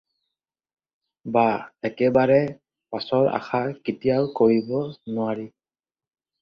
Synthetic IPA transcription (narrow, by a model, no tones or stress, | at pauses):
baɛkɛbaɹɛ | pasɔɹa̰xakitijaʊkoɹibɔnʊaɹi